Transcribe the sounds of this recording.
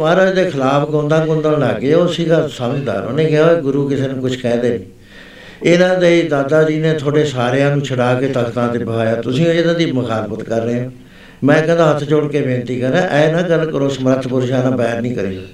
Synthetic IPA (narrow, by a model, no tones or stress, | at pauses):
maːɾãːd̪eːkʰəlaːpʰkõːnd̪aːkʊ̃nd̪ãːlaːɡeːoːsiːɡaːsaːmd͡ʒd̪a̰ːɾo̰ːnẽːɡɪãːeːɡʊɾuːkɪseːnũːkʊt͡ʃʰkɛ̃ːd̪eːnĩː | ɪnãːd̪eːiːd̪aːd̪aːd͡ʒiːnẽːt̪ʰoːɖeːsaːɾjãːnũːt͡ʃʰəɽaːkeːt̪əkt̪ãːt̪eːbəɦaːjaːt̪ʊsĩːɪnãːd̪iːməkʰaːlpət̪kəɾneːãː | mɛ̃ːkɛ̃ːnd̪ãːɦət̪ʰːt͡ʃoːɽkeːbẽːnt̪iːkəɾːãːʔɛːnãːɡəɾkəɾoːsəmɾət̪ʰːpʊɾʃaːnãːbɛːɾnĩːkəɾḭːaː